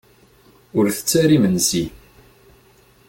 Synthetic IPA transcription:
ʊɾθə̥t͡sːæɾimənsi

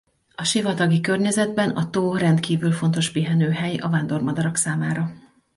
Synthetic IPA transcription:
ɒʃivɒt̪ɒɡikørɲɛzɛd̪bɛnɒt̪oːrɛnt̪kiːvylfo̞nt̪o̞ʃpiɦɛnøːɦɛjɒ̰vaːnd̪o̞rmɒd̪ɒɾɒksaːmaːɾɒ

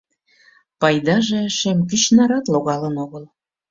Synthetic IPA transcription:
pɑjd̪ɑʒeʃemk̬yt͡ɕnɑɾɑt̪loɣɑlənoɣəl

